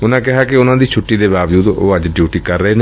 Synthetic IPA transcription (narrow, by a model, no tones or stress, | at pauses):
ʊnãːkɪɦaːkɪʊnãːd̪iːt͡ʃʰʊʈːiːd̪eːbaːbd͡ʒuːd̪o̰ːəd͡ʒɖjuːʈiːkəɾːəeːne